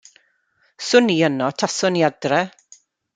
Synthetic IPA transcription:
sʊniːənɔtʰasɔniadrɛ

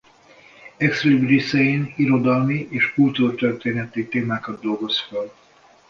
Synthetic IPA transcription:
ɛkslibrisɛjiːniɾo̞d̪ɒlmiʔeːʃkult̪urt̪ørt̪eːnɛt̪it̪eːmaːkɒd̪d̪o̞lɡo̞sføl

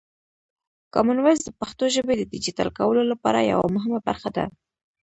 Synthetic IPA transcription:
kɑmʊnwazd̪əpaxt̪oʒəbed̪əd̪ɪd͡ʒit̪ɑ̰lkawəlolapɑ̰ɾa̰ja̰wa̰mʊɦɪmaba̰ɾxad̪a̰

